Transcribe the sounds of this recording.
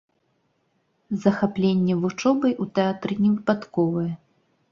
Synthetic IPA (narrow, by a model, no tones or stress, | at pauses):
zɐxaplʲenʲːɛvut͡ʂɔbɐjʔut̪ɛat̪ɾɨnʲɛvɨpat̪kɔvɐjɛ